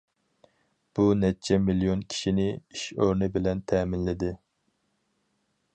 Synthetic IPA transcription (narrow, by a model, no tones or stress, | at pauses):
b̥unɛt͡ʃʰɛmilijonkʲʰi̥ʃinɪiʃøɾnɨbɪlɛnt̪ʰɛːmɪnlɪd̪ɪ